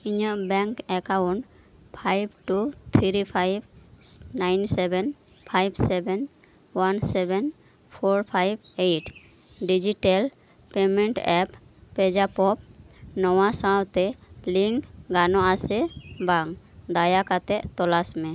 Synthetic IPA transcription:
iɲəʔbɛŋkɛkauɳʈ | pʰajbʈut̪ʰiɾipʰajbnajnsɛbɛn | pʰajbsɛbɛn | wansɛbɛn | pʰɔɾpʰajb̚ | eʈ | ɖid͡ʒiʈal | pemeɳʈɛppɛd͡ʒapɔpnɔwasat̪ɛliŋkɡanɔasɛbaŋd̪ajakat̪ɛʔt̪ɔlasmɛ

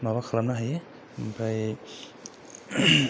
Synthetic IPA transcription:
mawakʰalamnaɦaje | mbɾaj

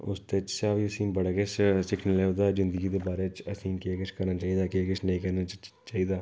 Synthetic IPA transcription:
ʊ̰st̪et͡ʃsabiəsĩːbəɽakessɪkʰneleːod̪aːzɪnd̪əɡiːd̪eːbaːɾeːt͡ʃəsĩːkeːkɪt͡ʃʰkəɾnaːt͡ʃaːiːd̪aːkeːkɪt͡ʃʰnəĩːkəɾna | t͡ʃaːiːd̪aː

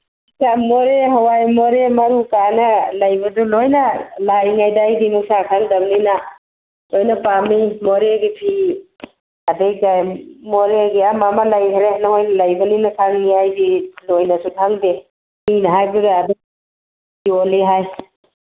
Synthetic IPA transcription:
kamoɾeɦawajmoɾemɐɾukanalajbɐdulojnalajŋajdajdimuksakʰaŋdɐbnina | lojnapamimoɾeɡipʰi | adejkajmoɾeɡiamamalajhɾenaŋojlajbɐninakʰaŋniajdilojnasukʰaŋde | ninɐɦajbaɡaːdu | ioliɦaj

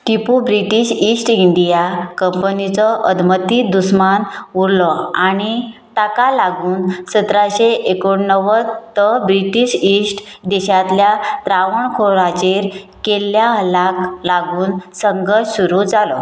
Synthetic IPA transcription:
ʈipubɾiʈiɕisʈiɳɖijakəmpənit͡sɔʔəd̪mət̪iːd̪usmanuɾlɔaɽ̃it̪akalaɡuːnsət̪ɾaɕeʔekoɳnəʋət̪əbɾiʈiɕisʈd̪eɕat̪ljat̪ɾaʋəɳkʰoɾat͡ɕeɾ | kelːjaɦəlaklaɡuːnsəŋɡəɾɕsuɾud͡zalɔ

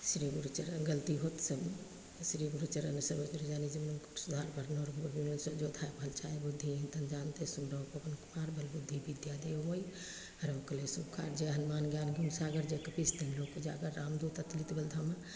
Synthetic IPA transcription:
sɾiɡuɾt͡ʃəɾɡəlt̪iɦot̪səb | sɾiɡuɾt͡ʃəɾɐnəsəbət͡ʃɾed͡ʒaːned͡ʒimnənksud̪ʱaːɾbʱəɾnɔːɾbəbimelsəd͡ʒod̪ʱaːjpəlt͡ʃʰaːebud̪ʱːiĩnt̪ənd͡ʒaːnt̪esunɖəpɐpənkumaːɾbəlbud̪ʱːibid̪jad̪eomoj | ɐɾəʋkəlesukʰa̰ːɾd͡ʒeɦənmaːnɡjaːnɡʱumsaːɡəɾd͡ʒekɐpisd̪inlokːod͡ʒaɡəɾːaːmd̪ut̪ɐt̪lit̪bəld̪ʱama

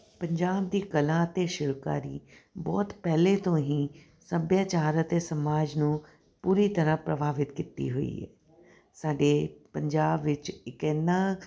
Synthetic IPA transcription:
pəɲd͡ʒaːb̚d̪iːkəlãːət̪eːʃɪɾka̰ːɾḭːbɔːt̪pɛːleːt̪õːɦĩː | səbjaːt͡ʃaːɾət̪eːsəmaːd͡ʒnũː | puːɾiːt̪əɾãːpɾəbaːʋɪt̪kit̪ḭːɦoḭːɛ̰ː | saːɖeːpəɲd͡ʒaːbʋɪt͡ʃɪkɛːnːãː

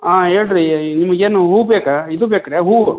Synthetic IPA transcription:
aːɦeːɭɾinimːɐɡeːnuɦuːbeːkaid̪ubeːkɐɾeɦuː

